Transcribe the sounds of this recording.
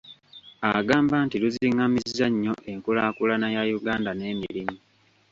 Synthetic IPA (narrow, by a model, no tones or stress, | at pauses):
aɡaːmbaːntiluziŋːamizaɲːo̞ʔe̞ŋkulaːkulanajajuɡaːndane̞ːmilimu